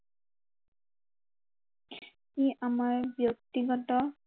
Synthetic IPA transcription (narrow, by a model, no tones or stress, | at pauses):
iʔamaɹbjok̚tiɡɔtɔ